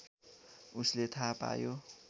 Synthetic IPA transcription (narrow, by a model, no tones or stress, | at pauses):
uslet̪ʰapa̰jo